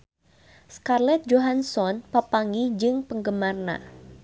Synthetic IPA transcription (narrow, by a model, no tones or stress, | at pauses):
skarlɛt̪̚d͡ʒoɦansɔnpapaŋid͡ʒɨŋpəŋɡəmarna̰